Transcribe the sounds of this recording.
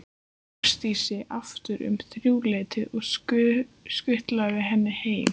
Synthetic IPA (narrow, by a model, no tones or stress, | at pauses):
st̪isɪʔaft̪ʏɾʏ̰mθɾjuːleːt̪ɪʔɔɣ | skʏht̪lavɪɦɛnːɪheːjm